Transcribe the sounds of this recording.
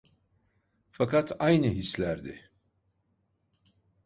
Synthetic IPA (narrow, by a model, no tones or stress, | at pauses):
fakʰat̪ʰajnɯɦislʲæɾd̪ɪ̰